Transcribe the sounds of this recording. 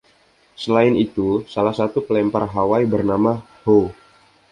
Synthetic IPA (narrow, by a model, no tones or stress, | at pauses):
səlaɪnit̪usalahsat̪upəlɛmparɦawaibərnama | ho